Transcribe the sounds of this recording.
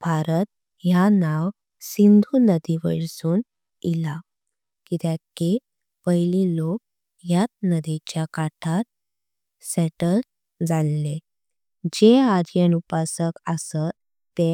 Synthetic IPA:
b̥ʱaɾət̪̚ | janaw | sind̪ʱuːnəd̪iʋəɽsuːn | ila | kit̪ake | pəɦililok̚ | jat̪̚nəd̪et͡ɕjakaʈʰat̪̚ | sɛʈəl | d͡zalːe | d͡ʑead͡ʑjenupasəkəsə | t̪ːe

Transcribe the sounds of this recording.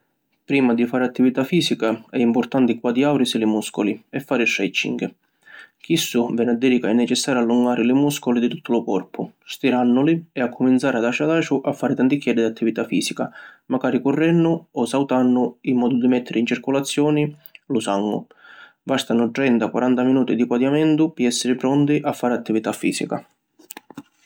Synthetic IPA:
pɾiːmad̪ifaːɾɪat̪ːivit̪afiːsikaɛimpʊrt̪ant̪ɪkwad̪iawɾisɪlɪmuskʊliɛfːaːɾɪʃɾɛt͡ʃːḭŋk | k̟isːʊvɛnad̪ːɛɾikaɛnːɛt͡ʃɛsːaːɾalːuŋɡaːɾɪlɪmuskʊlid̪it̪u̥t̪ʰːʊlʊkɔrpʰʊst̪iɾanːʊlɪɛakːʊmint̪saːɾɪad̪aʃad̪aːt͡ʃʊʔafːaːɾɪt̪ant̪ikjɛdːid̪at̪ʰːivit̪afiːsikamaɡaːɾikʊrːɛnːʊɔsawt̪anːʊimːɔːd̪ʊd̪imɛt̪ʰːɪɾɪint͡ʃiɾkʊlat̪sːjɔːnilʊsaŋːʊ̰ | bast̪anʊt̪ɾɛnt̪akwa̰ɾant̪aminuːt̪id̪ikwad̪jamɛnt̪ʊpiɛsːɪɾɪpɾɔnt̪iʔafːaːɾɪat̪ːivit̪afːḭːsika̰

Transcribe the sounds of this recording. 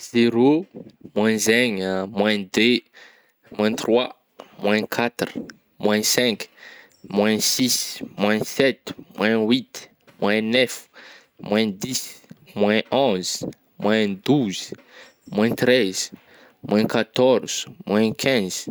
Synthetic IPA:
z̥eɾomwɛ̃zeɲmwɛ̃d̪e | mwɛ̃t̪rwa | mwɛ̃kʰat̪ru̥ | mwɛ̃sɛ̃k | mwɛ̃sismwɛ̃sɛt̪mwʔɛ̃wit̪ | mwʔɛ̃nɛf | mwɛ̃d̪ismwɛ̃ʔɔ̃z̥ | mwɛ̃d̪uz | mwɛ̃t̪ɾɛz̥ | mwʔɛ̃kat̪ɔɾz̥mwɛ̃kʰɛ̃z̥

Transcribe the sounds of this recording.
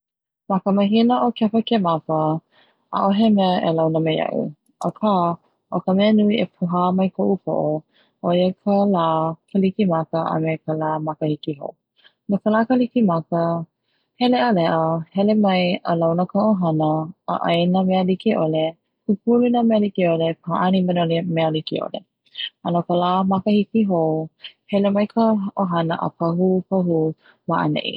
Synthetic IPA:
mɐkəməɦinəʔokɛfəkemɐfə | ʔa̰ʔoɦemɛəʔḛlawnəmejɐ̰ʔṵ | ʔə̰kʰaː | ʔokəmɛənuiepʰuɦaːmɐjkʰoʔufo̰ʔo | ʔojekʰəlaːkʰəlikimɐkəʔə̰mekəlaːmɐkəhikiɦo̰ | nokəlaːkəlikimɐkə | hɛleəlɛʔəhɛlemɐjəlawnəkəoɦɐnə̰ːʔɐjnəmealikiʔole | kupulunəmealikiolepʰaʔanibənolimealikiʔo̰lḛ | anokəlamakəhikiɦowhɛlemɐjkʰəʔoɦɐnəʔə̰pʰɐɦupəɦu | maʔə̰nḛʔḭ

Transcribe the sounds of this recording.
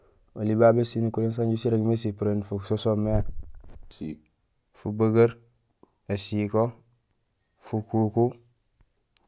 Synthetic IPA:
olibabesinikuɾens̬aɲɟusiɾeɡmesipuɾenfuksosomeasḭ | fubəɡaɾ | esiko | fukuku

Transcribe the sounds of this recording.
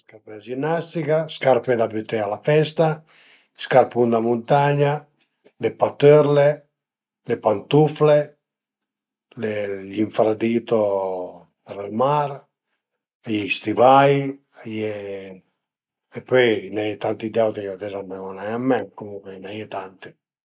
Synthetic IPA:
skaɾpɛad͡ʒinːast̪ikaskaɾped̪abyt̪ːɛalafɛst̪a | skaɾpund̪amunt̪aɲa | lepat̪øɾle | lepant̪ufle | leʎiɱfɾad̪iːt̪o | pɛɾɛlmaɾ | ajɛist̪ivaj | ajɛ | ɛpːɔjnajɛt̪ant̪id̪ɛwt̪ikat̪ɛzamːaɔnajamːɛmkomuŋkwenajɛt̪ant̪i

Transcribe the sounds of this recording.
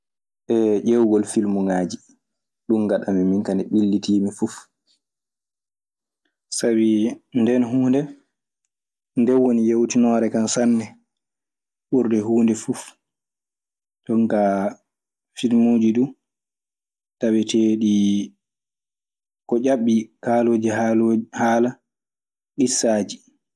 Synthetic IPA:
ɓɛʔɛwɡɔlfilmuŋaːd͡ʒi | ɗunɡaɗamiminkanɛɓilːitimifuf | sabindɛnɦuːndɛ | ndɛwonijewtinɔːɾɛkansanːɛ | ɓuɾdɛɦuːndɛfuf | ɗɔŋka | filmuːd͡ʒiɗu | tawɛteːɗi | kɔʔaɓːikaːloːd͡ʒiɦalohaːla | ɗisaːd͡ʒi

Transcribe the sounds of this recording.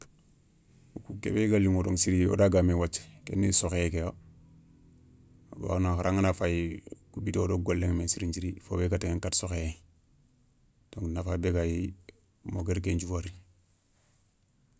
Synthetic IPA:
ukukḛbeɡaliŋodoŋsiɾio̰daɡamewat͡ʃːkḛnːisokekejo | ba̰naŋxaɾaŋanafajkubitodoɡolːeŋmesiɾiɲd͡ʒiɾifobeɡateŋeŋkatsoxeeŋ | d̥oŋnafajbeɡaji | moɡeɾk̬end͡ʒuwaɾi

